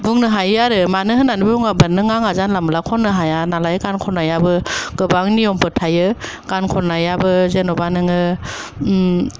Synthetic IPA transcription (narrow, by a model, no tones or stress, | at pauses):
buŋnɯɦajaɾɯmanɯɦɯnːanɯbebuŋabanɯŋaŋazanlamɯlakʰɔnːɯɦajanalajkankʰɔnajabɯɡɯbaŋnijɔmpɯtʰajɯkankʰɔnajabɯzenɔbanɯŋɯ